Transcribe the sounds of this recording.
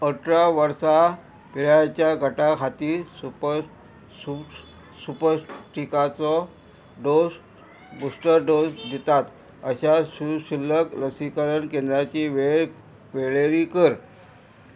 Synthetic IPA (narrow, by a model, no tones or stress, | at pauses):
əʈɾaʋəɾsa | piɭajat͡ɕjaɡʱəʈakʰat̪iːsup | u | supəɾʈikat͡sɔ | ɖos | busʈəɾɖosd̪it̪at̪ | əɕaɕuɕilːəkləsikəɾəɳkẽnd̪ɾat͡ɕiʋe | ʋeɭeɾikəɾ